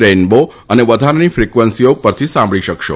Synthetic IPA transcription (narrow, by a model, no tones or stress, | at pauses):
ɾenbo | əneʋəd̪ʱaɾnifɾikʋənsiopəɾt̪ʰisãmbʱɭiʃəkʃo̰